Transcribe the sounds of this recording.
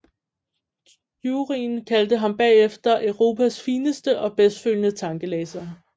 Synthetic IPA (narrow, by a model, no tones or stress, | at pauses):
juːʁinkʰæld̥əɦɑ̈mb̥ɛ̰ːefd̥ɐʔʊʁo̝̰ːpʰæsfiːnəsd̥əʔɒ̽b̥esd̥føljənət͡sʰɑ̈ŋɡ̥əleːsɐ